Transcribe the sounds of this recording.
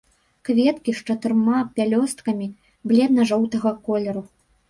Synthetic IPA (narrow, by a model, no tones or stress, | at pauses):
kvʲɛt̪kʲiʂt͡ʂɐt̪ɨrmapʲalʲɔst̪kɐmʲi | blʲɛd̪nɐʐɔwt̪ɐɣɐkɔlʲɛɾu